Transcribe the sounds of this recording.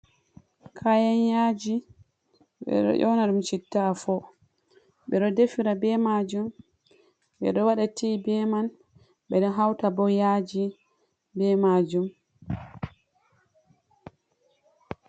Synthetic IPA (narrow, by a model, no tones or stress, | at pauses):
kʰajanjaːd͡ʒi | ɓɛ̰ɗɔ̰ʔɔnaɗumt͡ʃitːafɔ | ɓɛɗɔdefiɾabɛmad͡ʒum | ɓɛ̰ɗɔwaɗatʰibɛman | ɓɛɗɔɦawtabɔjad͡ʒi | bɛmad͡ʒum